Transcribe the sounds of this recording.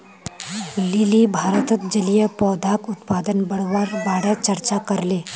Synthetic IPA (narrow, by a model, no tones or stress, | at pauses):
lilibʱaɾət̪ət̪̚d͡ʒəlijəpɔːd̪ʱakut̪pad̪ənbəɽʋaɾbaɽət͡ʃəɾt͡ʃakəɾle